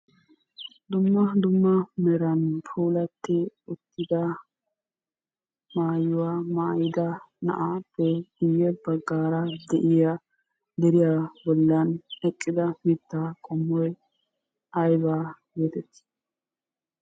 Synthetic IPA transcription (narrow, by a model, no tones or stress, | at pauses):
d̪ʊmːɐd̪ʊmːɐmɛɾɐnpʰuːlɐt̪ːɪʊt̪ːɪd̪ɐ | maːjʊwaːmaːjɪd̪ɐ | nɐ̰ʔapːɛɡ̥ʊjːɛbɐɡːaːɾɐd̪ɛʔɪja | d̪ɛɾɪjabɔlːɐnɛkʼːɪd̪ɐmɪt̪ːakʼɔmːɔj | ɐjbaːɡeːt̪ɛt̪ː